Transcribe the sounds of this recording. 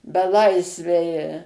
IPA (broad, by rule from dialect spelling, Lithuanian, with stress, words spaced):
bʲɛˈlˠɐɪsʲʋʲɛɪ